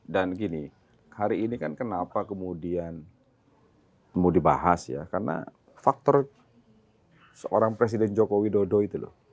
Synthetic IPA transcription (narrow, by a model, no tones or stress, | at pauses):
danɡini | haɾiːnikankənapakəmudian | kəmudiba̰ɦasja̰karna̰ | fak̚t̪ɔr | səʔoɾaŋpɾes̬idɛnd͡ʒokowidodoit̪ulʊ̰h